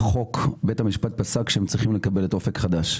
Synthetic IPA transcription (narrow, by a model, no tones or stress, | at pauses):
χo̞kbethamiʃpat̪̚pasakʃeemt͡sʁiχimle̞kabe̞letofekχad̪aʃ